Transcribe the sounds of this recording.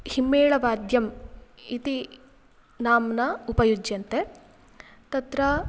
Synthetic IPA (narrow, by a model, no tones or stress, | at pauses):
himːeːɭɐʋaːd̪ʱjɐmit̪i | naːmnɐupɐjud͡ʒjɐnt̪e | t̪ɐt̪ɾɐ